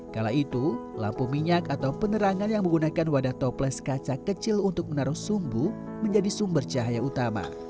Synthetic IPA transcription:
kalawit̪ula̰mpumiɲakat̪awpənəɾaŋanjaŋməŋɡunakanwadaht̪ɔplɛskat͡ʃakət͡ʃɪlunt̪ʊk̚mənaɾʊhsumbu | məɲd͡ʒadisumbərt͡ʃaɦajaut̪ama̰

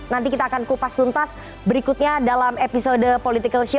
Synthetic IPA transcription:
nant̪ikit̪aːkankupast̪unt̪as | bəɾikut̪̚ɲadalamepisodəpolit̪ikəlʃ

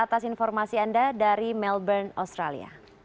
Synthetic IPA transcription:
at̪asinfɔrmasiandadaɾimɛlbɛrna̰st̪ɾa̰lḭa̰

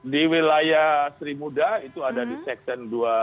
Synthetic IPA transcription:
diwilajasɾimudait̪uadadisɛk̚t̪ɛndua

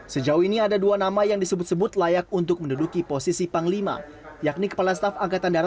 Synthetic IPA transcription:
səd͡ʒauiniadaduanamajaŋdisəbʊt̪̚səbʊt̪lajak̚unt̪̬ʊk̚məndudukiposisipaŋlima̰ | jak̚nikə̥palast̪afaŋkat̪andaɾa

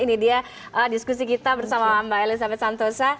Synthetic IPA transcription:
inidia | ʔədiskus̬ikit̪abərsamaambaelisabɛt̪sant̪osa

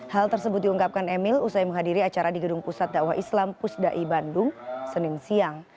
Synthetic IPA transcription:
halt̪ərsəbʊt̪̚diuŋkap̚kanɛmɪlusajməŋɦadiɾiat͡ʃaɾadiɡədʊŋpusat̪̚daʔwaɦislampʊsdaʔibandʊŋsənɪnsiaŋ

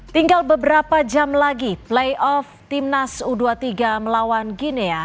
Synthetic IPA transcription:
t̪iŋɡalbəbəɾapad͡ʒamlaɡiplejʔɔft̪imnasuduat̪iɡaməlawanɡinea

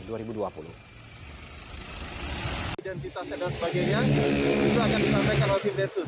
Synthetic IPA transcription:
duaɾibuduapulṵ | idɛnt̪it̪askadasəbaɡajɲait̪uakandisampajkanasimlɛt̪sʊs

